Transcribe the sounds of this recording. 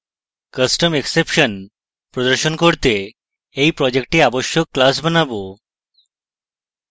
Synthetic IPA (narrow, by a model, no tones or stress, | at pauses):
kəsʈəmeksepʃən | pɾod̪əɾʃonkoɾt̪e | ejpɾɔd͡ʑek̚ʈiaboʃjokːlas̬banabo